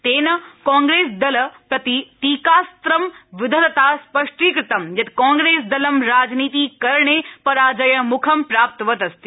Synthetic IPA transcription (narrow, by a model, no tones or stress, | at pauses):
t̪eːnɐkãːŋɡɾeːsd̪ɐlɐpɾɐt̪it̪iːkaːst̪ɾɐmʋɪd̪ʱɐt̪ɐt̪aːspɐʂʈiːkɾɪt̪ɐmjɐt̪kãːŋɡɾeːsd̪ɐlɐmɾaːd͡ʒniːt̪iːkɐɾɳepɐɾaːd͡ʒɐjɐmʊkʰɐmpɾaːp̚t̪ʋɐt̪ɐst̪i